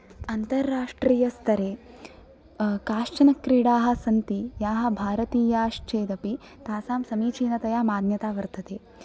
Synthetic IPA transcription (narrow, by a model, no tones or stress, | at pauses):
ɐnt̪ɐɾːaːʂʈɾiːjɐst̪ʰɐɾeː | kaːʃt͡ʃɐnɐkːɾiːɽaːɦɐ̆sɐnt̪ijaːɦɐ̆bʱaːɾɐt̪iːjaːʃt͡ʃeːd̪ɐpi | t̪aːsaːmsɐmiːt͡ʃiːnɐt̪ɐjaːmaːd̪njɐt̪aːʋɐɾt̪ʰɐt̪eː